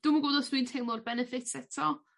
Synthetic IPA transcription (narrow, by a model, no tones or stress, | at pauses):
d̥uməɡoːdɔsd̥wintʰejmlˠɔrbɛnəfɪtʰsɛtʰɔ